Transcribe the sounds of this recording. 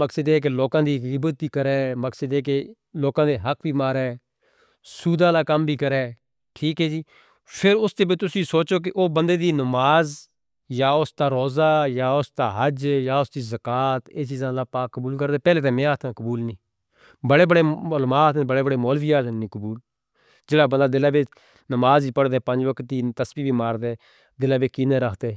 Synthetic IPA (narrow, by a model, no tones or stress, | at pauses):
məksəd̪eːk̬eloːkãːd̪iːkɪbət̪biːkəɾɛːməksəd̪eːk̬e | loːkãːd̪eːɦəkbiːmaːɾɛː | suːd̪ãːlaːkəmbʱiːkəɾɛː | ʈʰiːkɦɛːd͡ʒiː | pʰɪɾʊst̪eːbit̪ʊsĩːsoːt͡ʃoːk̬ɪʔoːbə̃nd̪eːd̪iːnəmaːz | jaːʊsd̪aːɾoːzaːjaːʊsd̪aːɦəd͡ʒjaːʊsd̪iːzəkaːt̪eːt͡ʃiːzãːd̪aːpaːkːəbuːlkəɾd̪eːpɛːleːt̪ẽːmɛ̃ːaːt̪ʰãːkəbuːlnĩː | bəɽeːbəɽeːlmaːt̪ʰẽbəɽeːbəɽeːmɔːlbiːaːt̪ʰnĩːkəbuːl | d͡ʒeːɽaːbənd̪aːd̪ɪlãːbeː | nəmaːziːpəɽd̪eːpə̃ɲd͡ʒʋəkʰt̪̚ːiːt̪əsbiːbiːmaːɾd̪eː | d̪ɪlãːbeːkiːnẽːɾəkʰd̪eː